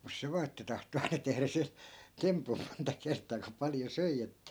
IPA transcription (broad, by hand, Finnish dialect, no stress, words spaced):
mus se ʋɑː etːæ tɑhto ɑinɑ tehræ se tempum montɑ kertˑɑː ku pɑljo søi etːæ